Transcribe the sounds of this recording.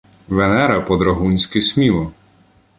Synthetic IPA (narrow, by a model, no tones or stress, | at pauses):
ʋenɛɾɐpɔd̪ɾɐɦunʲsʲkɪsʲmʲilˠɔ